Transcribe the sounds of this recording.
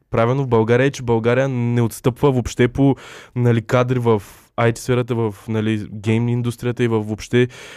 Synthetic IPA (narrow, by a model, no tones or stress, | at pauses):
pɾavilˠnovbɐlˠɡaɾʲiəɛt͡ʃɛbɐlˠɡaɾijənɛot̪st̪ɤpvəvopʃt̪ɛponɐlikad̪ɾivəf | ajt̪ʲi̥sfɛɾət̪əvəfnɐliɡɛjmind̪ust̪ɾijət̪əivəfːopʃt̪ɛ